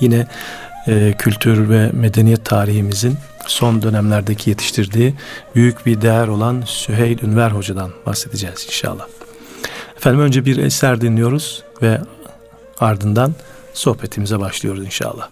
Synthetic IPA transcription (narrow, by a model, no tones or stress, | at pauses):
jinɛː | cʰylʲt̪ʰyɾvɛme̞d̪e̞nijɛt̪ʰːaːɾiɦimizin | so̞nd̪ø̞næmlʲæɾd̪ecʰije̞t̪ʰi̥ʃt̪ʰiɾd̪iːbyjycbiɾd̪ejæɾo̞lˠansyɦejlʲynvæɾɦo̞d͡ʒad̪anba̰hse̞d̪id͡ʒɛːz̥inʃa̰lˠːah | ɛfænd̪imø̞nd͡ʒɛbiɾɛ̰sæɾd̪inlʲijo̞ɾuz̥ | vɛ | aɾd̪ɯnd̪an | so̞hpʰe̞t̪ʰimizɛbaʃlˠɯjo̞ɾuzinʃa̰ːlˠːa̰h